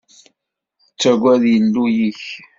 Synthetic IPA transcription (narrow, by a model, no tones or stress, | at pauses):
t͡sːæɡʷæðjəlːujiç